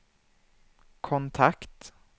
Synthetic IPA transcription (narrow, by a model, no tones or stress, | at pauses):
kʰɔnt̪ʰɑkt̪